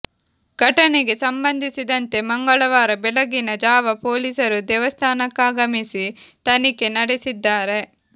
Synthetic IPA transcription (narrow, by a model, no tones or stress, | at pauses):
ɡ̥ʱɐʈɐneɡe̞sɐmbɐnd̪ʱisid̪ɐnt̪e̞mɐŋɡɐɭɐʋaːɾɐbɛlɐɡinɐd͡ʒaːʋɐpo̞ːliːsɐɾud̪ɛːʋɐst̪ʰaːnɐkːaːɡɐmisit̪ɐnike̞nɐɽesid̪ːaːɾe̞